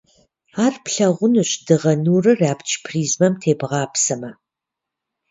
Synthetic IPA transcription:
aːrpʰɬɐʁʷʊnɨɕdɨʁɐnuːrɨraːpt͡ʃʰpʰriːzmɐmtʰeːbʁɑːpʰsɐmɐ

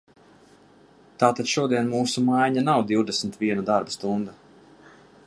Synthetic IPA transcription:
t̪aːt̪ad̪̥ʃuɔd̪iɛnmuːsumajɲanawd̪iwd̪ɛsmt̪vʲiɛnad̪aɾbast̪und̪a

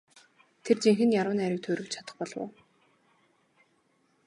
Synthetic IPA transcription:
t̪ʰert͡ɕiŋxɘ̆njaɾʊːnæɾʲɪ̆k̚t̪ʰɵːɾɵ̆k̚t͡ɕʰḁt̪ə̥̆χpɔɮwʊ̰ː

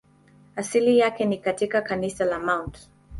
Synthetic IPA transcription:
asilijakɛnikatikakanisalamawnt

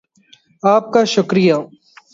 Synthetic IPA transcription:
aːp̚kaʃʊkɾija

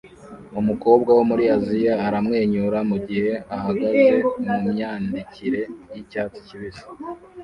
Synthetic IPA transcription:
umuko̞ːb̚ɡawomuɾiazijaːɾamŋe̞ːɲuɾamuɟihe̞ahaɡaze̞mumɲaːndiciɾe̞jicaːt͡si̥ciβizi̥

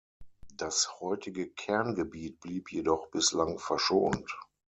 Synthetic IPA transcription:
d̥ashɔʏtɪɡəkʰɛɐnɡəbiːt̚b̥liːpʰjedɔχb̥ɪslaŋfɛɐʃoːnt

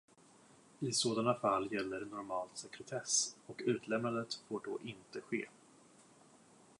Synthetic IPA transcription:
ɪsoːd̪anafalːjɛlːəɾnɔɾmɑːlt̪sɛkɾɛt̪ʰɛsɔkʉ̟ːt̪ʰlɛmnand̪ət̪foːɖɔʔɪnt̪əɧḛː

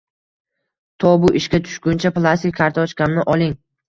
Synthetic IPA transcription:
t̪ʰɒbʊʔɪʃkʲat̪ʰʊ̥ʃkʲʊnt͡ʃʰaplˠasʲt̪ɪkʲʰːaɾt̪ʰɒʃkʲamnɪʔɒlˠɪŋ

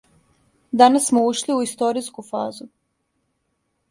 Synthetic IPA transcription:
d̪anasːmouʃliuist̪o̞ɾiskufaːzu

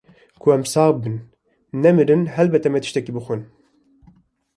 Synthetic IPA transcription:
kʰʊɛmsɑːbɨnː | ɛmɨɾɨnhɛlbɛt̪ɛmɛt̪ɨ̥ʃt̪ɛkiːbɨxʷɨn

